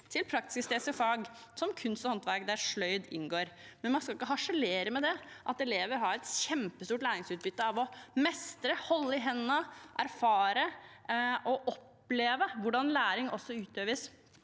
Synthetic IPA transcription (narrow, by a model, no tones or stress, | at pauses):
t̪ʰɪlpʰɾɑk̚t̪ɪ̥səst̪eːsɔfɑːɡsɔmkʰʉnst̪ɔhɔnt̪ʋæɾkd̪æɾʂɭœʏd̪ɪ̰nɡoːɾmɛnmɑnskɑlɪkːəɦɑʂɛleːɾəmɛd̪ɛʔɑt̪ɛleːʋəɾɦɑɾɛt̪ɕɛmpəst̪uːʈlæːɾɪŋsʉːt̪̚bʏt̪ːəɑʋɔmɛst̪ɾəhɔlːəɪɦɛnːəʔæɾfɑːɾə | ʔɔʔɔpː | leːʋəʋʊɖɑnlæːɾɪŋɔsːɔʉːt̪øːʋəs